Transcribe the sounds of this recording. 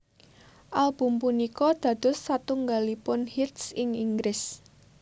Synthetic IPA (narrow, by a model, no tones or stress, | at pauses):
ʔalb̥ṳmpunikɔd̪̥ä̤d̪̥ʊ̤sːat̪uŋɡalipʊnhit̪sɪŋiŋɡɾɪs